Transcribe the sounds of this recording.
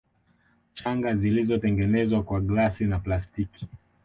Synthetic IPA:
t͡ʃaŋɡazilizɔtɛŋɡɛnɛzwakwaɡlasinaplastiki̥

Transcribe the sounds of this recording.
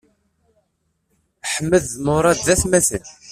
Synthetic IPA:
ħəmːəðmʊɾˤɑd̪ːæθmæθən

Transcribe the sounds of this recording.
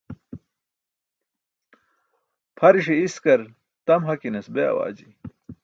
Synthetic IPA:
pʰɐɾiʂeiskɐɾ | t̪ɐmɦɐkinɐsbeɐ̰wa̰ːd͡ʑi

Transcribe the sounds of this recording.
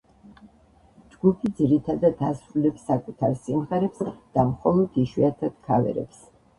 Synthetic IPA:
d͡ʒɡupʰid̪ziɾit̪ʰad̪ad̪asɾulɛpsːakʼut̪ʰaɾsimʁɛɾɛpsd̪̥amχɔlˠɔd̪̥iʃwiat̪ʰad̪̥̚kʰavɛ̰ɾɛ̰ps

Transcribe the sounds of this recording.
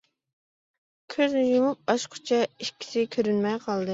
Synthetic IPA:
kʲʰøznɪjumup̚bɑʃqʰʊ̥t͡ʃʰɛiʃkʲʰːi̥sɪkʲʰøɾynmɛjqʰɑlˠd̪ɨ

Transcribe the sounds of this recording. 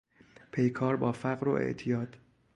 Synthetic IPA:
pʰe̞jkʰɒːɾbɒːfæɣɾo̰ʔḛʔt̪ʰijɒːd̪̥

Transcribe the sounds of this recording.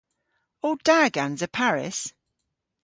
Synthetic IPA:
ɔːd̥aːɡãnzəpʰaɹɪ̰s

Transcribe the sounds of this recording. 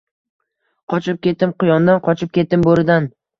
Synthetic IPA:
qʰɒt͡ʃʰɪp̚kʲe̞t̪ːɪmqʊjɒnd̪anqʰɒt͡ʃʰɪp̚kʲe̞t̪ːɪmboɾɪd̪an

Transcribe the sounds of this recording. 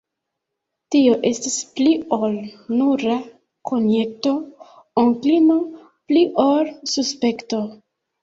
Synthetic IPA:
tio̞ʔe̞stispliolnuɾa | kʰonjek̚to̞ | oŋklino | pliʔolsuspe̞kto

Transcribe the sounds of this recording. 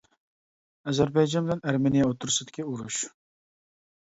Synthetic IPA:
æzæɾbɑjd͡ʒɑnbɪlɛnæɾmenijaot̪ʰːʊɾsɨd̪ɪ̥kʲʰiuɾuʃ

